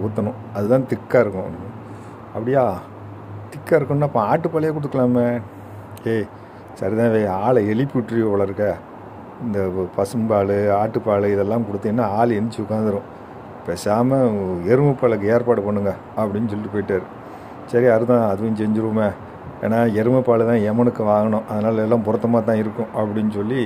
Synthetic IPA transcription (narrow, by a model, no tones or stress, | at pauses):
ʊt̪ːɐnʊ̃ | ɐðɯt̪ãːt̪ɪkːaːɪɾɯkːʊ̃ | ɐpːɐɽɪjaː | t̪ɪkːaːɪɾɯkːʊ̃nːaːpːɐ̃aːʈːɯpːaːlɐjeːkʊɽɯt̪ɯkːɐɭaːme | eː | sɐɾit̪ãːʋeːaːɭɐɛlɪpːuʈːɾiɔʋɐɭɐɪɾɯkːɐ | ɪnd̪ɐpɐsɯmbaːlɯaːʈːɯpːaːlɯɪðɛlːãːmkʊɽɯt̪ːɯːnːaːaːlɛnːɪt͡ʃːiʊkːaːnd̪ɯɾʊ̃ | pːesaːmɐɛɾɯmɐpːaːɭɯk̬ːɯeːɾpaːɽɯpɐɳːɯŋɡɐ | ɐpːɐɽɪnːɯsɔlɪtipoːjɪʈːaːɾɯ | sɐɾiɐɾɯt̪ãːɐðɯʋɐnːsɛɲd͡ʒɪɾɯʋɐme | ḛːnaːɛɾɯmɐpːaːlɯt̪ãːɛmɐnɯkːɯʋaːŋɡɐɳʊ̃ʔɐðɐnaːlɛlːãːpʊɾɐt̪ːɐmaːt̪ãːɪɾɯkːʊ̃ʔɐpːɐɽɪnːɯsɔlːi